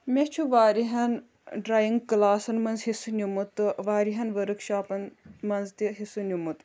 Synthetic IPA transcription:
mʲet͡ʃʰuʋaːɾiɦɐn | ɖɾaːjiŋɡkɨlaːsɐnmɐnzɦisunʲumut̪ɨʋaːɾiɦɐnʋɐɾɨkʃaːpɐnmɐnzt̪iɦisunʲumut̪

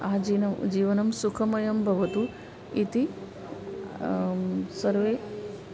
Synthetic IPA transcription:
aːd͡ʒiːnɐd͡ʒiːʋɐnɐmsukʰɐmɐjɐmbʱɐʋɐt̪u | it̪i | sɐɾʋeː

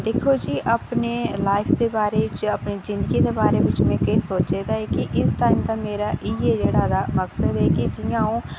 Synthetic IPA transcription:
d̪eːkʰoːd͡ʒiːʔəpneːlaːɪpʰd̪eːbaːɾeːɪt͡ʃəpniːzɪ̃nd̪əɡiːd̪eːbaːɾeːʋɪt͡ʃmɛ̃ːkesoːt͡ʃed̪aːɛːkiʔɪsʈaːimd̪aːmeːɾaːʔiːeːd͡ʒeːɽaːd̪aːməksəd̪ɦɛːkid͡ʒɪjãːõː

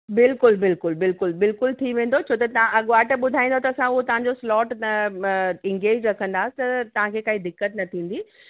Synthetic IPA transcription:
bɪlkʊlbɪlkʊlbɪlkʊlbɪlkʊlt̪ʰiʋẽːn̆d̪ot͡ɕʰoːt̪ɐt̪ɐ̤ãʔɐɠʊʋaːʈəɓʊd̪ʱaːĩnd̪ʱot̪ɐːsãʊɦot̪ɐʋ̤ãɲd͡ʑoslɔːʈ | ɪ̃ŋɡeːd͡ʑɾɐkʰə̃nd̪aːsɪ̥t̪ɐt̪ɐʋ̤ãkʰeːkaɦid̪ɪkːət̪nɐt̪ʰĩːn̆d̪i

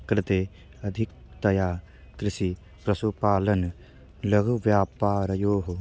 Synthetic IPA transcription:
kɾɪt̪eː | ɐd̪ʱɪk̚t̪ɐjaː | t̪ɾɪʃi | pɾɐsupaːlɐn | lɐɡʱʋjaːpaːɾɐjoːɦu

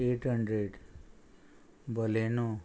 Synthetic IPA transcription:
eʈɦəɳɖɾeɖ | bəleno

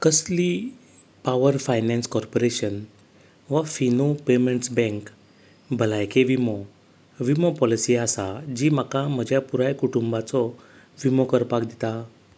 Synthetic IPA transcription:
kəsli | paʋəɾfajnɛ̃nskɔɾpɔɾeɕən | ʋafinopeməɳʈsbɛ̃ŋk | bəlajkeʋimɔ | ʋimɔpɔlisiasad͡ʑiːm̤akam̤əd͡ʑjapuɾajkuʈumbat͡sɔ | ʋimɔkəɾpakd̪it̪a

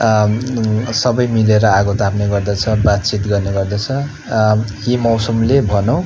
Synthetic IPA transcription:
sʌbʌjmileɾʌaɡot̪apneɡʌrd̪ʌt͡sʰʌbat̪̚t͡sit̪ɡʌrneɡʌrd̪ʌt͡sʰʌ | jimʌwsumlebʱʌnow

